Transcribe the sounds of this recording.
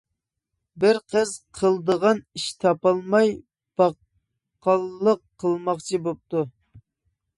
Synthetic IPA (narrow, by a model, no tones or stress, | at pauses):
bɪɾqʰəz̥qʰəlˠd̪əʁɑniʃt̪ʰɑpɑlˠmɑj | b̥ɑ | qːɑlˠːəqʰːəlˠmɑχt͡ʃʰibop̚t̪u